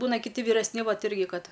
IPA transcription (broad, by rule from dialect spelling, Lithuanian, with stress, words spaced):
ˈbuːnɐ kʲɪˈtʲɪ ʋʲiːrʲɛsʲˈnʲɪ ˈʋɐt ˈɪrʲɡʲɪ ˈkɐt